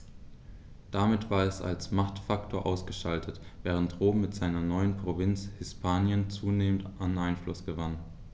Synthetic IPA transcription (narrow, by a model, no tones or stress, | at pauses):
d̥amɪtv̥aːɐɛsa̰lsmaχtfaktʰoːɐʔaʊsɡ̥əʃaltʰətv̥ɛːʁ̞əntʁoːbm̩mɪtz̥aɪnɐnɔʏənpʁ̥ovɪnt͡shɪspʰaːnjənt͡suːneːmən̩tʔanʔaɪnflʊsɡ̥əvan